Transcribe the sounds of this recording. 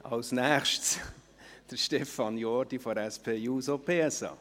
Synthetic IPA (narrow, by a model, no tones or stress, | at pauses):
ɑ̰lsnæːχʃts | d̥əɾʃtɛfɑnjɔːɾdifoɾɛspʰeːjuːsopʰeːɛsɑ̰ː